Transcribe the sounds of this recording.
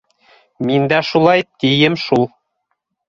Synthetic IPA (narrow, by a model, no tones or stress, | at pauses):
mind̪æʃulˠɑjt̪ijɘmʃulˠ